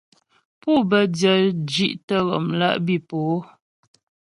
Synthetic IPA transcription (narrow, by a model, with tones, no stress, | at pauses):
pu˦˨bə˨djə˨d͡ʒi˦ʔtə˦ɣɔ̰˨mla̰˦ʔbi˦˨po˨˦